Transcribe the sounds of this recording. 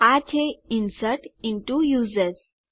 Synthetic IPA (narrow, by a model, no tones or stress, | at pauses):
at͡ɕʰeinsəɾʈinʈujuzəɾs